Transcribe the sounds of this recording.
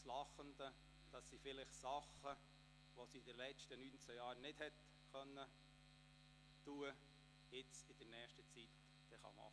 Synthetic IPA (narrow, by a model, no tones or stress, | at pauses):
slɑχənd̥̪ə | d̥ɑsːifɪlɪχsɑχə | ʋosiɪdəlɛt͡ʃtənynt͡səjɑːɾnɪd̥hɛt | kœnːə | tuːə | jɪt͡sɪd̥̪ənɛːχʃtət͡sit | d̥ɛχɑ̰mɑ̰